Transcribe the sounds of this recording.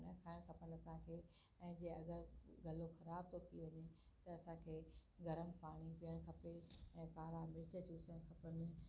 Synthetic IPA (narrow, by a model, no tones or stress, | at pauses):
nəkʰaːɪɽ̃kʰɐpən̆ɐsãkʰeː | ɛ̃ːd͡ʑeːɐɡəɾɡɐloxɐɾaːb̚t̪ʰot̪ʰiʋɐɲe | t̪ɐːsãkʰeːɡɐɾəmpaːɽ̃ipiəɽ̃kʰɐpeɛ̃ːt̪aːɾamɪɪt͡ɕəd͡ʑuːsə̃kʰɐpən̆